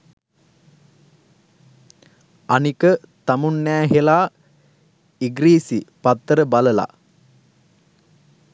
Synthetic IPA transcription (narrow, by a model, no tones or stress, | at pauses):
anikət̪amunːæːɦelaː | iɡɾiːsipat̪ːəɾəbaləla̰